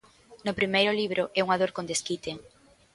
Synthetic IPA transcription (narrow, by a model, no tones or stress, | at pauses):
nʊpɾimejɾʊliβ̞ɾʔʊʔɛuŋaðoɾkond̪eskit̪e